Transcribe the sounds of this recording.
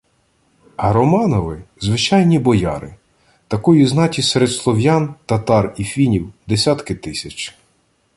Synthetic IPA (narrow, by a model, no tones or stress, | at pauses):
hɐɾɔmɑnɔʋɪzʋɪt͡ʃɑjnʲibɔjɑ̰ɾɪ̰ | t̪ɐkɔjiznɑtʲiseɾed̪slˠɔwjɑnt̪ɐt̪ɑrifʲinʲiwd̪esʲat̪kɪt̪ɪsʲɐt͡ʃ